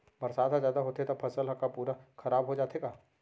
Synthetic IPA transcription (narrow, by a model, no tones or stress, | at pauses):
bɐɾsaːd̪ɦãzjaːd̪aɦoːt̪eet̪ɐpʰɐsəlɦɐkapuːɾaxʰɐɾaːbɦod͡ʒaːt̪eɡaː